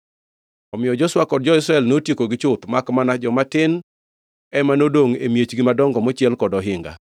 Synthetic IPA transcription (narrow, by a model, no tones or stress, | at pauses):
ɔmɪjɔd͡ʒɔswakɔd̚d͡ʒɔɪsɾaɛlnotjekoɡɪt͡ʃʊt̪makmanad͡ʒɔmatɪn | ɛmanodoŋemjet͡ʃɡɪmadɔŋɡɔmɔt͡ʃɪɛlkɔdɔɦɪŋɡa̰